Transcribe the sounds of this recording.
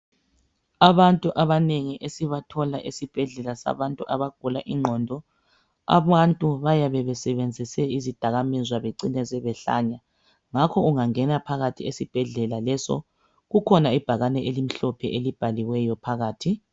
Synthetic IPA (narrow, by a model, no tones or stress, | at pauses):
aβantʼuʔaβaneŋiʔesiβatʰɔlaʔesib̥ʱɛɮɛlasa̰βantʼuʔaβaɡ̥ʱulaʔiŋ͡ǃʱɔːndʱɔ | a̰βantʼuβajaβɛβɛsɛβend͡zʱisɛizid̥ʱaɣamɛzwaβeǀinɛzɛβɛɬa̰ɲa | ŋakʰɔuŋaŋɛnapʰaɣatʰiesib̥ʱɛɮɛlalɛsɔ̰ | ɣukʰɔnaib̥ʱaɣanɛʔelim̩ɬɔpʰɛʔelib̥ʱaliwɛjɔpʰaɣaːtʰi